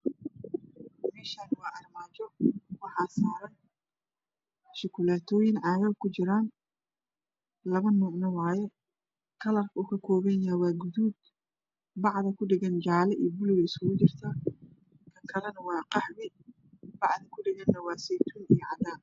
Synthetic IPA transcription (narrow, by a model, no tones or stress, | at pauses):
mɛːʃaːnɪwɑːʔɐrmaːt͡ʃɔwɑħɑːsaːɾɐn | ʃʊkʰʊlaːt̪ʰɔːjɪnʕɑːjɐkʰʊt͡ʃɪɾaːn | lɐβɐnɔːnɐwɑːjɛ | kʰɐlɐrkʰɐuːkʰɐkʰɔːβɛnawɑːɡʊðuːd̪ | bɑʕðɐkʰʊɖɪɣɐnd͡ʒaːlɛʔḭjɔbʊlɪɣɐɪskʊɣʊt͡ʃɪrt̪ʰɐ | kʰɐŋkʰɐlɐnɐwɑːqɑħmɪ | bɑʕðɐkʰʊɖɪɣɐnːɐwɑːsɛjt̪ʰuːnijɔʕɑd̪aːn